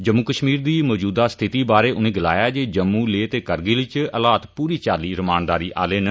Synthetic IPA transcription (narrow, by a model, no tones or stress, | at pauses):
d͡ʒəmːukəʃmiːɾd̪iːmɔːd͡ʒuːd̪aːst̪ʰɪt̪iːbaːɾeːʔʊnẽːɡɪla̰ːjaːd͡ʒeːd͡ʒəmːũːleːt̪eːkəɾɡeːlɪt͡ʃəlaːt̪puːɾiːt͡ʃaːliːɾəmaːnd̪aːɾiːʔa̰ːleːnə